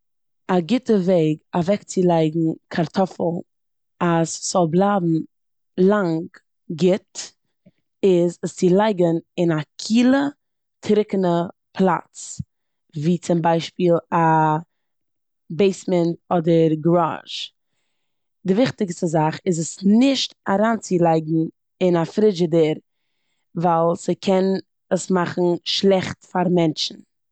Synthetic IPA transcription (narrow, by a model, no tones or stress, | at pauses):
aɡɪtəveɪɡavɛkt͡sɪlˠaɪɡŋ̩kʰaɾtʰɔfl̩ˠ | asz̥ɔlˠblˠaːbm̩ | lˠaŋɡ | ɡɪt | ɪzəst͡sɪlˠaɪɡənɪnakʰiːlˠə | tʰɾɪkənə | pʰlˠa̰t͡s | viːt͡sɪmbaɪʃpiːlˠa | beɪsmɛntɔdəɾɡɾa̰ʒ̥ | dɪvɪχtɪkstəzaχɪzəsnɪʃtaɾaːnt͡sɪlˠaɪɡn̩ | ɪnafɾɪd͡ʒɪdəɾ | valˠsɪkʰɛn | əsmaχn̩ʃlˠɛχtfaɾmɛnt͡ʃn̩